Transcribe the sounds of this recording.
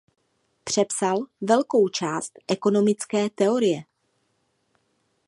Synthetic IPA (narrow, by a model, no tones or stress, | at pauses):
pr̝̥ɛpsalvɛlko̞wt͡ʃaːst̪ʔɛko̞no̞mɪt͡skɛːt̪ɛo̞ɾɪjɛ